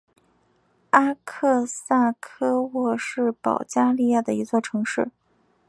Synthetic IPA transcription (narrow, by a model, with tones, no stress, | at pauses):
a˥kʰɤ˥˧sa˥˩kʰɤ˥wɔ˥˩ʂɻ̩˥˩pɑ̰˨˩ʊt͡ɕja˥li˥˧ja˥˩d̪ə˩i˧˥t͡swɔ˥˩ʈ͡ʂʰɤ˧˥ŋʂɻ̩˥˩